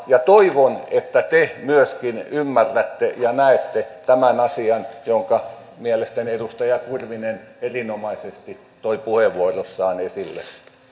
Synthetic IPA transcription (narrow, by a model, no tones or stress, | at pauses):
jɑt̪oiʋonet̪ːæt̪emyøskinymːærːæt̪ːejɑnæet̪ːet̪æmænɑsiɑnjoŋkɑ | mielest̪æniedust̪ɑjɑkurʋinenerinomɑisest̪i | t̪oipuheʋuorosːɑːnesilːḛ